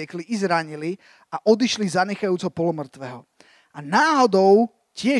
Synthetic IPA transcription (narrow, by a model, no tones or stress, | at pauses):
ɛkliʔizɾaɲili | aʔɔd̪iʃlizaɲɛxajuːt͡sɔpɔlɔmr̩t̪ʋɛːɦɔ | anaːɦɔd̪ɔʊ | cɪɛ